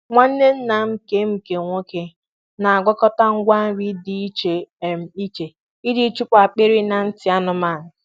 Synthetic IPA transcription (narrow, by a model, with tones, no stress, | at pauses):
ŋʷa˦n̩˦ne˦n̩˦na˨m̩˦ke˦m̩˦ke˨ŋʷo˦ke˦ | na˨a˨ɡɔ˦kɔ˦ta˦ŋ̩˦ɡʷa˦n̩˦ɾi˦di˨i˦t͡ʃe˨m̩˨i˦t͡ʃe˨ | i˦di˨˦t͡ʃu˦k͡pa˨k͡pe˦ɾi˦na˨n̩˦tɪ˨˦a˦nʊ˦ma˦˨nɪ˨